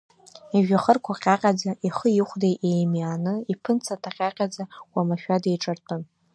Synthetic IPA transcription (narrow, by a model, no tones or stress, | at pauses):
iʒᶣaχərkʷʰaqʲʼaqʲʼad͡zaʔiχəjɪχʷdejʔejmaːnɨipʰɨnt͡sʰatʰaqʲʼaqʲʼad͡zaw̥ʷamaʃᶣadejʈ͡ʂʼartʰʼɨn